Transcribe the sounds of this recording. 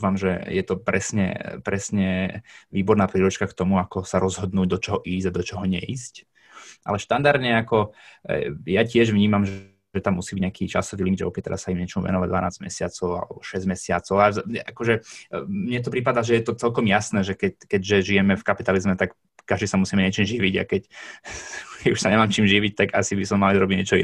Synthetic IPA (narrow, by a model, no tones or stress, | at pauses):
ʋamʒɛ̰jɛt̪ɔpɾɛsɲɛ̰pɾɛsɲɛʋiːbɔɾnaːpɾiːɾɔt͡ʃkakt̪ɔmuakɔsaɾɔzɦɔd̪nuːɟ̚d̪ɔt͡ʃɔɦɔʔiːzɟad̪ɔt͡ʃɔɦɔɲɛ̰isc | ʔa̰lɛʃt̪and̪aɾd̪ɲɛakɔ | jacɪɛʒʋɲiːmamʒ | ɛt̪amːusiːbiɟɲɪakit͡ʃa̰sɔʋiːliŋɡd͡ʒɛɔ̰kɛjt̪ɛɾa̰sːaimɲɛt͡ʃɛmuvɛ̰nɔʋaɟd̪ʋanaːzmɛ̰sɪat͡sɔʊa̰lɛbɔʃɛzmɛsɪat͡sɔʊaʔakɔʒɛmɲɛt̪̬ɔpɾipad̪alʒɛjɛt̪ɔt͡sɛlkɔmjasnɛːʒɛkɛkɛɟʒɛʒijɛmɛfkapit̪alizmɛt̪akː | aʒd̪iːsamusiːmɛɲɛt͡ʃimʒiʋiɟa̰kɛc | kɛuʃsaɲɛmaːmt͡ʃimʒiʋic̚t̪aɡasibisɔmːaliɾɔbiɟɲɛt͡ʃɔḭ